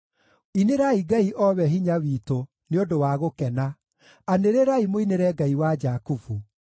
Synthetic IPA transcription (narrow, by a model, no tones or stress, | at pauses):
ineɾaiɡaiʔɔβɛɦiɲawiːto | neodowaɣokɛna | aneɾeɾaimoineɾɛɡaiwad͡ʒakufu